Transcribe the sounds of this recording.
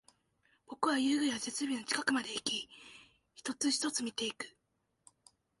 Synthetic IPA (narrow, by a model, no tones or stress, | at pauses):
b̥o̞kɯ̟βajɯːɡɯjβase̞t͡sɨbʲino̞t͡ɕi̥kakɯ̟mad̪e̞ikʲi | çi̥t̪o̞t͡sɨçi̥t̪o̞t͡sɨmʲit̪e̞ikɯ̟̥